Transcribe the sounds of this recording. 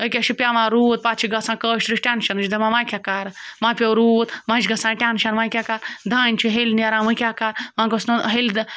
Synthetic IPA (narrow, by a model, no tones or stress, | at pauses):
ək̬ʲaʃipʲjaʋãːɾuːt̪̚pat͡ʃʰiɡɐsãkəʃt̪ɾiʃʈʲanʃɐnɨt͡ʃd̪ɐmãmãjkʲakaɾmãpʲewɾuːt̪mãt͡ʃɡɐsãːʈʲanʃɐnmajkʲakaɾd̪ʱaːnʲt͡ʃʰiɦelʲnɐɾãːmɨkʲakaɾmãːɡosnoɦeld̪